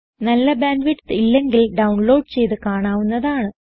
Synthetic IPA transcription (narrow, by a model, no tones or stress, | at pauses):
nɐlːɐbaːnʋiʈsilːe̞ŋɡilɖɐwɳlo̞ːɖɨt͡ɕe̞jt̪ɨkaːɳaːʋunːɐðaːɳɨ